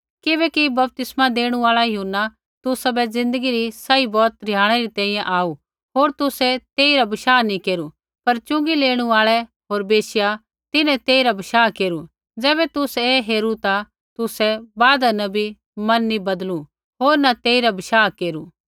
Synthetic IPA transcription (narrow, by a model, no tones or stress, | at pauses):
kɪbɛːkibɐp̚t̪ɪsmad̪eːɽ̃uaːɭajuːnːa | t̪ʊsabɛd͡zɪ̃nd̪əɡiɾisɐibɔːt̪̚ɾɪjaːɽ̃ɛɾit̪ɛ̃ːĩjɛ̃ʔaːu | ɦoːɾt̪ʊsɛt̪eːiɾabɐʃaːnĩkeːɾu | pɐɾt͡ʃʊ̃ŋɡileːɽ̃uaːɭɛ | ɦoːɾbeːsɪja | t̪ɪnɛ̃t̪eːiɾabɐʃaːkeːɾu | d͡zɛːbɛt̪ʊseːɦeːɾut̪a | t̪ʊsɛbaːd̪anɐbʱi | mɐnːibɐd̪lu | ɦoːɾnat̪eːiɾabɪʃaːkeːɾu